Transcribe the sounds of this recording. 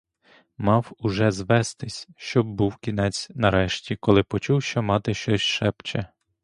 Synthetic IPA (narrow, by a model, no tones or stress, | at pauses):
mɑwʊʒɛzʋɛst̪ɪsʲʃt͡ʃɔbbuwkʲinɛt͡sʲnɐɾɛʃtʲikɔlˠɪpɔt͡ʃuwʃt͡ʃɔmɑt̪ɪʃt͡ʃɔsʲʃɛpt͡ʃɛ